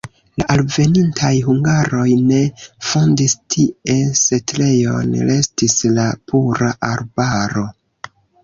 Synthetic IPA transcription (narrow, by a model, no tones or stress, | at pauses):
laʔalve̞nintʰajɦuŋɡaɾo̞jne̞fondistʰiese̞tɾe̞jo̞̰nɾe̞stislapuɾaʔaɾbaɾo̞